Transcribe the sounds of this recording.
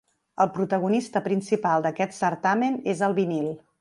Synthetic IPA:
əlˠpɾut̪əɣunist̪əpɾinsipalˠd̪əkɛt̪səɾt̪amenezəlˠβinilˠ

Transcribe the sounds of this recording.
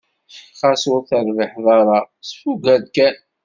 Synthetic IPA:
ʃqɑsuɾθəɾˤviħðˤɑɾˤɑ | sfuɡæd̪kæn

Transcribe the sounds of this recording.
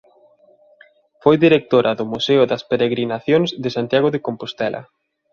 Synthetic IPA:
fojðiɾek̚t̪oɾʔɐðʊmuseʊðɐspeɾeɣɾinaθjoŋzðɪsant̪jaɣʊðekompost̪ɛlʔɐ̰

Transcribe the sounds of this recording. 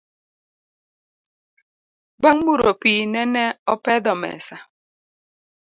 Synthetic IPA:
baŋmuɾopinɛnɛɔpɛdɔmɛ̰sa

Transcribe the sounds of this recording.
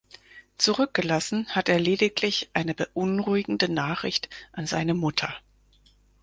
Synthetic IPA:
t͡suʁʏk̚ɡ̥əlasn̩hateːɐleːdɪklɪçʔaɪnəbəʔʊnʁuɪɡŋ̩dənaːχʁ̥ɪ̰çtʔanzaɪnəmʊtʰɐ

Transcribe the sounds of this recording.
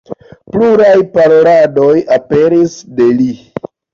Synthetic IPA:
pluɾajpaɾolado̞jape̞ɾisde̞li

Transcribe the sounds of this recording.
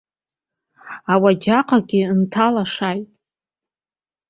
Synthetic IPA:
awad͡ʒaqʼaɡʲɪntʰalaʂajtʼ

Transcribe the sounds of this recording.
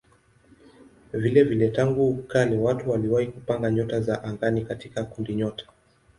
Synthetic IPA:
vilɛvilɛtaŋɡukalɛwatuwaliwahikupaŋɡaɲɔtazaʔaŋɡanikatikakundiɲɔtḁ

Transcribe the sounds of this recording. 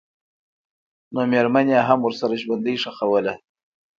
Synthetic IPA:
nomeɾmanjaɦamwəɾsaɾaʒwand̪əjʂaxawəla

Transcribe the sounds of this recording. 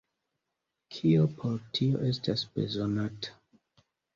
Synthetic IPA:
kʰiopʰoɾtʰio̞̰ʔe̞stasb̥e̞̰zonatḁ

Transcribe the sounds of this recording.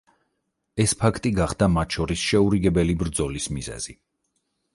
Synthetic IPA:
ɛspʰakʰt̪ʼiɡaχd̪amat̪ʰʃɔɾisʃɛuɾiɡɛbɛlibɾd̪zɔlismizɛ̰z̥i

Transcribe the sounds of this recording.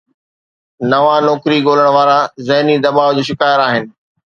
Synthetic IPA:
nɐʋãnɔːkɾiɡoːləɽ̃ʋaːɾazɐɦnid̪ɐbaːʋd͡ʑoːʃɪkaːjəɾaːɦɪnɪ̆

